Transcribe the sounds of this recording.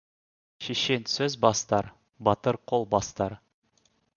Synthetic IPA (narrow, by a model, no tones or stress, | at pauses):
ʃeʃe̞nsɵzbɑst̪ɑɾ | bɑt̪əɾqʰo̞lˠbɑst̪ɑɾ